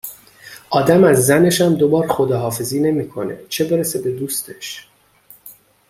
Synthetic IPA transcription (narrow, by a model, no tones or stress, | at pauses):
ʔɒːd̪æmæzːæne̞ʃæmd̪o̞bɒːɾxo̞d̪ɒːɦɒːfe̞ziːne̞miːkʰo̞̰ne̞̰t͡ʃʰe̞be̞ɾesebe̞d̪uːst̪ʰe̞ʃ